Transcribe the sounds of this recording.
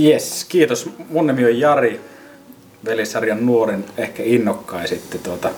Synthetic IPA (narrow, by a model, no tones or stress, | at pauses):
jeskiːt̪osmonːemiojjɑri | ʋelesɑrjɑnnuorinehkæinːokːɑˑisit̪ːet̪uot̪ɑ